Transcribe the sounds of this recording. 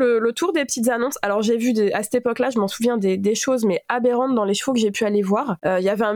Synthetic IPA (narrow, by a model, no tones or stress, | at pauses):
lələt̪ʰuʁd̪epət̪it̪zanɔ̃salɔʁʒevyd̪easɛ̥t̪epɔklaʒəmɑ̃suvjɛ̃d̪ed̪eʃozmɛabeʁɑ̃t̪̚d̪ɑ̃leʃə̥fokəʒepyalevwaʁøilavɛɛ̃